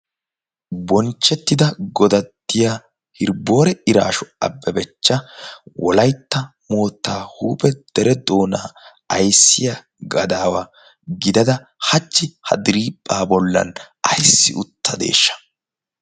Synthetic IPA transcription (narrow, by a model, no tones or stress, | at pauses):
bɔnt͡ʃːɛt̪ːɪd̪ɐɡɔd̪ɐdt̪ːɪjaː | hɪɾbo̞ːɾɛɪɾa̰ːʃɔɐ̰bːɛbɛt͡ʃːɐwɔlɐjt̪ːɐmo̞ːt̪ːaːhuːpʼɛd̪̥ɛɾɛd̪o̞ːnaː | ɐjsːɪja | ɡɐd̪aːwa | ɡɪd̪ɐd̪ɐ | hɐt͡ʃːɪhɐ̰d̪ɪɾiːpʼːaːbɔlːɐ̰n | ɐjsːɪʊt̪ʰːɐd̪e̞̰ːʃːɐ̥